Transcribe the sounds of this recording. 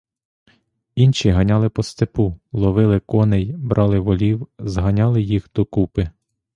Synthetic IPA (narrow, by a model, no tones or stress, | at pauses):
inʃiɦɐnʲɑlˠɪpɔst̪epulˠɔʋɪlˠɪkɔnejbɾʔɑlˠɪʋɔlʲiwzɦɐnʲɑlˠɪjixd̪̥ɔkupɪ